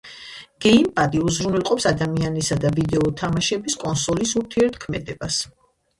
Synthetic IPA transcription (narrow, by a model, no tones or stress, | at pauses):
ɡ̥ɛimpʼad̪iuzɾunɛlˠqʼɔpsad̪amianisad̪avid̪ɛɔt̪ʰamaʃɛbiskʼɔnsɔlisuɾt̪ʰiɛɾt̪ʰkʰmɛd̪ɛbas